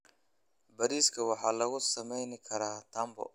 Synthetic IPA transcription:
bɐɾiːskʰɐwɑħɑːlɐɣʊsɐmɛjnɪkʰɐɾaːt̪ʰɐːmbɔ̰

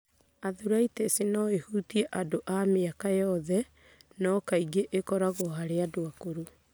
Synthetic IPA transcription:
aðuɾaitɛsenɔehuːtiɛʔadoʔameakajɔðɛ | nɔkaiɡeʔekɔɾaɣoɦaɾeadoakoɾo

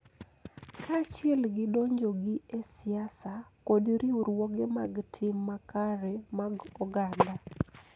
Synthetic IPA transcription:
kʰat͡ʃɪɛlɡɪdoɲd͡ʒoɡiesɪasakodiɾiuɾwoɡɛmaɡtʰɪmːakaɾɛmaɡɔɡanda

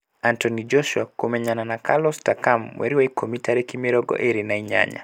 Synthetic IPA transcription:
antɔnid͡ʒɔʃuakomɛɲananakʰalɔstakamwʔɛ̰ɾiwaikʰomitaɾɛkimiɾɔɡɔ̰ʔeɾinaiɲa̰ɲa̰

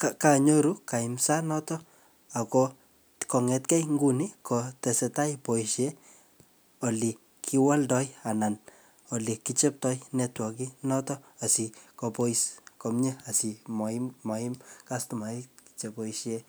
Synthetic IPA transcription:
kakaɲoɾukaimsanɔtɔ | akɔ | kɔŋɛtkɛjŋɡunikɔtɛsɛtajpoiʃe | oli | kʰiwaldɔjanan | olikit͡ʃɛp̚tɔjnɛtwɔkinɔtɔasikopoiskomɲeasimɔimmɔimkastumaiki̥t͡ʃepoiʃje

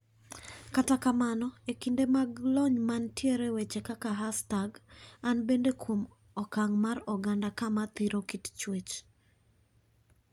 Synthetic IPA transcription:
katakamanɔekindemaɡlɔɲmantjeɾewet͡ʃekakaɦastaɡanbendekwom | ɔkaŋmaɾɔɡandakamat̪iɾokitt͡ʃwet͡ʃ

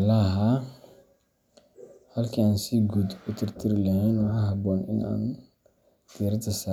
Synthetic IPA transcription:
alaɦa | halkiansiɡudutiɾtiɾlihenwahaɦabonḭna̰n | tiɾitasa

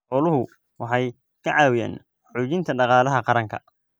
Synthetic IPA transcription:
ħɔːlʊɦʊ | wɑħɑj | kʰɐʕɑːwɪja̰ːn | ħuːt͡ʃɪnt̪ʰɐɖɑqɑːlɐɦɐqɑɾɐŋkʰɐ̰

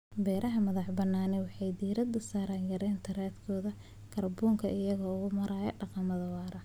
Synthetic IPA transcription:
bɛːɾʔɐɦɐmɐðɑħbɐnːaːnɛwɑħɑjd̪iːɾɐd̪ɐsaːɾaːŋɡɐɾɛːnt̪ʰɐɾaːd̪kʰɔːðɐ | kʰɐrbuːŋkʰɐɪjɐɣɐʊɣʊmɐɾɐjɐɖɑqɑmɐðɐwɑːɾɐ

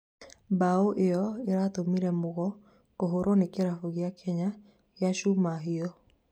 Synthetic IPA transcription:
baoʔejɔeɾat̪omiɾɛmoɣɔ | koɦoɾonekeɾafoɣjakʰɛɲa | ɣjaʃumaɦiɔ

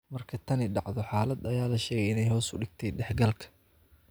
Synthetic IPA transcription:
mɐrkʰɐt̪ʰɐnɪɖɑʕðɔħaːlɐd̪ɐjaːlɐʃɛːɣɛjɪnɛjɦhɔːsʊɖɪɡ̥̚t̪ʰɛjɖɛħɡɐlkʰɐ̥

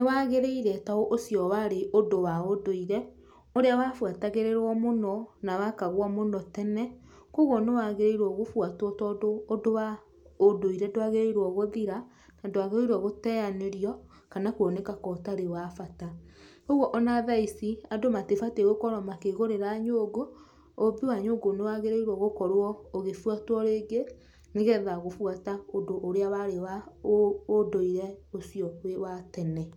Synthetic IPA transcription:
newaɣeɾeiɾɛtaoʔosjɔwaɾeʔodowaodoiɾɛ | oɾeawafwataɣeɾeɾwɔmonɔnawakaɣwɔmonɔtɛnɛ | koɣɔnewaɣeɾeiɾwɔɣofwatwɔtɔdoːdowa | odoiɾɛdoaɣeɾeiɾwɔɣoðiɾa | nandowaɣeɾeiɾɔɣotɛaneɾiɔ | kanakwɔnekakɔtaɾewafata | oɣwɔʔɔnaðaisiadomatefateɣokɔɾɔmakeɣoɾeɾaɲoːɡoː | biwaɲoːɡonewaɣeɾeiɾwɔɣokɔɾwɔoɣefwatwɔɾeːɡe | neɣɛðaɣofwataodoʔːɾeawaɾewa | odoiɾɛosijɔwewatɛnɛ

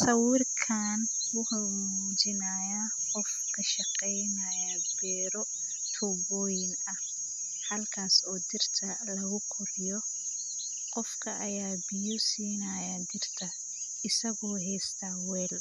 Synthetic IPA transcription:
sɐwɪrkʰaːn | wʊħʊmuuːt͡ʃɪnaːjaqɔfkʰɐʃɑqɛjnɐjɐbɛːɾɔ | t̪ʰɔbɔːjɪn | ɐh | hɐlkʰaːsɔːd̪ɪrt̪ʰɐ | lɐɣʊkʰʊrɪjɔ | qɔfkʰɐʔɐjaːbɪjɔsiːnɐjad̪ɪrt̪ʰɐ | ɪsɐɣɔːɦɛːst̪ʰɐwɛːl

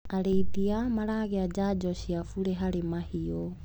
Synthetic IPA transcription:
aɾeidiamaɾaɣɛad͡ʒad͡ʒɔʃiafuɾɛɦaɾimahiɔ

